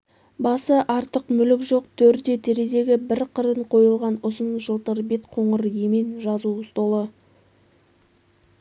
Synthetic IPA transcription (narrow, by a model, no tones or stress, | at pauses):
bɑsəʔɑɾt̪əqmʏlɪkʒo̞q̚t̪ʰɵɾd̪e̞t̪ʰe̞ɾe̞ze̞ɡʲɪbɪɾqʰəɾəɴqʰo̞jəlˠʁɑnʊsənʒəlˠt̪əɾbe̞t̪qʰo̞ɴəɾje̞menʒɑzuʊst̪olˠə